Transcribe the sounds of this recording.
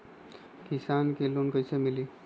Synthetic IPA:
kisankelonkʌjsʰəmili

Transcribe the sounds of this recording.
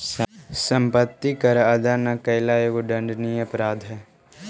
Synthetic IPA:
sə̃mpət̪ːikɐɾɐd̪anakɐɪlaːjoɡoɖə̃ɳɖniɐpɾaːd̪ʱɦɛː

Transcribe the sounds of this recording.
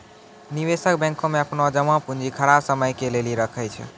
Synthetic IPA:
niʋesəkbɛ̃ŋkomeəpnod͡ʒəmãpund͡ʒikʰəɽasəməjkeleliɾəkʰəjt͡ʃʰɛ̰

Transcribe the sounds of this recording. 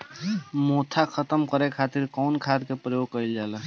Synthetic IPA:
mot̪ʰakʰət̪əmkəɾekʰat̪iɾkɔːnkʰad̪kepɾəjoɡ̚kəild͡ʒalɛ

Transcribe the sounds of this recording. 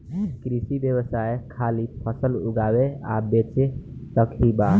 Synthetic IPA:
kɾisibjəbəsajkʰalipʰəsəlṵɡawea̰bet͡ʃet̪əkʰɦiba

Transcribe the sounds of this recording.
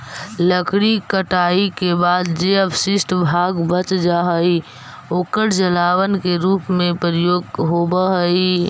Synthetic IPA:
ləkʰɽikəʈaːikebaːd̪d͡ʒeəbsɪsʈbʱaːɡbət͡ʃd͡ʒaɦəi | oːkəɽd͡ʒəlaːwənkeɾuːpmẽpɾəjoːɡɦobəɦəi

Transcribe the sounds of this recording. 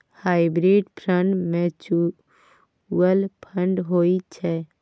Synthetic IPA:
haːɪbɾeɖpʰɾəɳʈmẽt͡ʃu | ɡəlpʰəɳɖɦoit͡ʃʰɛ

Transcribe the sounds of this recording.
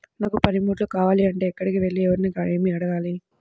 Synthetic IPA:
naːkupɐnimuːʈlukaːʋaːliɐɳʈe̞ːɛkːɐɽikiʋe̞ɭːiɛʋɐɾnikaɭeːmiɐɽɐɡaːli

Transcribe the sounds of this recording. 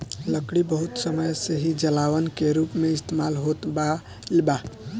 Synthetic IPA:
ləkɽibəɦut̪səməjseɦid͡ʒəlaʋənkeɾupmeist̪emalɦot̪ba | lba

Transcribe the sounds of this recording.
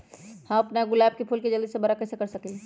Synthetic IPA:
hãɐpnaɡʊlaːb̚kepʰulked͡ʒɐld̪isebɐɾakɛːsekɐɾsɐkĩ

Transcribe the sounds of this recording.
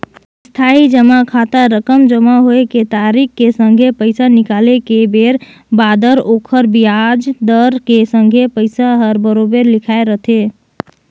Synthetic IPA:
st̪ʰaid͡ʒəmakʰat̪aɾəkəmd͡ʒəmaɦoeket̪aɾikːesə̃ŋɡʱepəɪsanɪkalekebeɾ | bad̪əɾokʰəɾbijad͡ʒd̪əɾkesə̃ŋɡʱepəɪsaɦəɾbəɾobeɾlɪkʰaeɾət̪ʰe

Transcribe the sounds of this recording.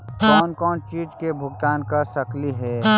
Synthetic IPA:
kɔːnkɔːnt͡ʃiːd͡ʒkebʱʊɡt̪aːnkəɾsəkliɦɛː

